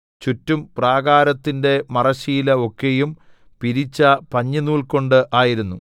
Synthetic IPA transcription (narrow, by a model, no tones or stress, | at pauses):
t͡ɕutːumpraːɡaːɾɐt̪ːinde̞mɐrɐɕiːlɐo̞kːejum | piɾit͡ɕːɐpɐɲːɐnuːɭko̞ɳɖɨʔaːjiɾunːu